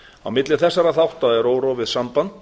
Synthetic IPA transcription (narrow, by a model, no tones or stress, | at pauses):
awmɪt̪lɪθɛsːaɾaθawht̪aɛɾoːwɾɔvɪðsampant̪